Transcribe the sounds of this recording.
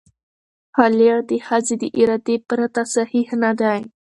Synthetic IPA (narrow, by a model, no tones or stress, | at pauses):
halaɾd̪ehazid̪əʔiɾad̪epɾat̪asahihnad̪aj